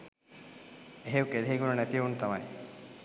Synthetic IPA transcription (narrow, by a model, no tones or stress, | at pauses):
eɦeʋukeɾiɦeɡunənæt̪ijunt̪ama̰j